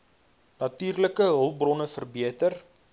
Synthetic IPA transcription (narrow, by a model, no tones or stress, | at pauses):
nɐtyːrləkəɦəlˠbrɔnəfərbiətər